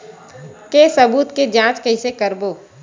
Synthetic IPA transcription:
kesɐbuːt̪ked͡ʒãːt͡ʃkɐɪsekəɾboː

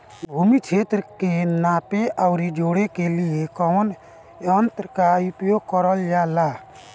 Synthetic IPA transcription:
bʱuːmikt͡ʃʰeːt̪ɾəkenaːpeʔaʊɾid͡ʒoːɽekeliekəmən | ənt̪ɾəkaʊpjoɡ̚kəɾəld͡ʒaːlaː

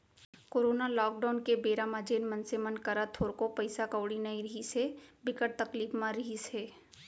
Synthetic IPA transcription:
koːɾoːnalɔːkɖaːʊnkebeːɾamad͡ʒeːnmɐnsemənkɐɾat̪ʰoːɾkopɐɪsakəwɽinɐiɾɐɦisebɪkəʈ̚t̪ɐkliːfmãɾɐɦiseː

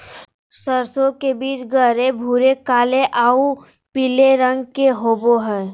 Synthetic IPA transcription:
səɾsõkebiːt͡ʃɡəɾebʱuːɾekaːleʔaːu | pileɾə̃ŋɡkeɦoːboɦɛː

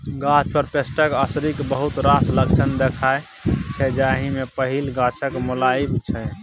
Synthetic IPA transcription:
ɡãt͡ʃʰpəɾpesʈəkəsɾikbəɦut̪ɾasləkt͡ʃʰənd̪ekʰae | t͡ʃʰɛd͡ʒaɦimepəɦilɡãt͡ʃʰəkmolaibt͡ʃʰɛ

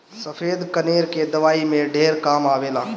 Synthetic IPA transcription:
səpʰed̪kəneɾked̪əʋaimeɖʱeɾkamabela

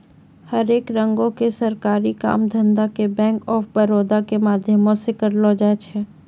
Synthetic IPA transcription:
hɐɾeːkɾə̃ŋɡõkesɐɾkaːɾika̰ːmd̪ʱə̃nd̪akebɛ̃ːŋkɔːfbəɾoːd̪akemaːd̪ʱjəmõsɪkəɾloːd͡ʒaːt͡ʃʰɛː

